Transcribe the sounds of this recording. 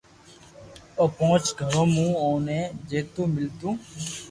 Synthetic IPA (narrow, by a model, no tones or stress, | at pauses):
oːpõt͡ʃɡʱəɾõːmũːõːnẽːd͡ʒeːt̪ũːmɪlt̪ũː